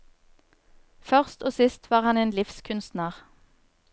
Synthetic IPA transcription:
fœʁst̪oːsɪst̪ʰʋɑːʁhɑneːnlɪfskʰʉnst̪nəʁ

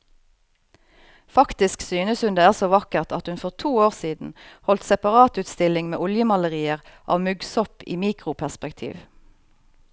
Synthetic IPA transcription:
fɑkt̪ɪsksyːnəshʉnd̪eːæːʁsoːʋɑkəʁt̪ʰɑt̪hʉnfɔʁt̪ʰuːoːʁsiːd̪n̩hɔlt̪sɛpɑʁɑːt̪ʉːt̪st̪ɪlɪŋmḛːʔɔljəmɑləʁiːəʁʔɑ̰ːʋmʉɡsɔpḭːmiːkʁʊpʰæʁspɛkt̪ʰḭːʋ

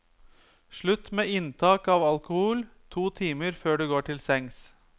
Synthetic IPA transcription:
ʂɭʉt̪meːɪnt̪ʰɑːkɑːʋɑlkʊhuːlt̪ʰuːt̪ʰiːməɾføːɖʉɡoːʈʰɪlsɛŋs

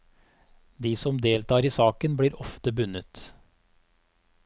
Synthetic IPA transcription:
d̪iːsɔmd̪eːlt̪ɑːɾiːsɑːkənb̪iːɾɔft̪əbʉnət̪

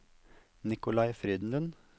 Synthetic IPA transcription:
nɪkʊlɑɪfɾiːd̪n̩d̪ən

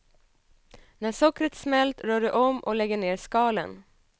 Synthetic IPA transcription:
næʂɔkɾət̪smɛlt̪ɾœːɖəʔɔmʔɔ̰lɛɡːəɳeːɾskɑːlə̰n

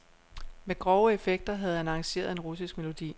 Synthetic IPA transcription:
meɡ̥ʁɒʊəefeɡ̥̚d̥ɐɦæð̞̩ˠænɑ̈ŋɕe̝̰ːɐð̩ˠe̝nʁus̬isɡ̥me̝lo̝d̥ḭː

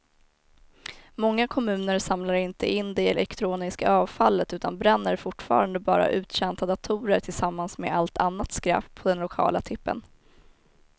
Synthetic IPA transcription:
mɔŋːakʰɔmʉ̟ːnəɾsamlaɾɪnt̪əʔɪnd̪ɛɛlʔɛkt̪ʰɾuːnɪskaɑːvfalːət̪ʉːt̪ʰanbɾɛnːəɾfʊʈːfɑ̰ːɾand̪əbɑ̰ːɾa̰ʔʉ̟ːt̪ɕɛnt̪ʰad̪at̪ʰuːɾəʈʰɪlsamːansmḛalt̪ʰanːat̪skɾa̰ːppʰːɔd̪ɛnlʊkʰɑ̰ːlat̪ʰɪpːə̰n

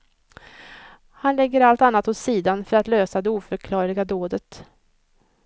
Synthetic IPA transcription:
hanlɛɡːəɾalt̪anːat̪hɔssiːd̪anfœɾat̪løːsad̪ɛuːfœɾkʰlɑːɾɪɡad̪oːd̪ət̪

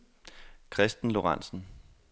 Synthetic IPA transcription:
kʰʁɛsd̥n̩lo̝ʁɑn̰sn̩

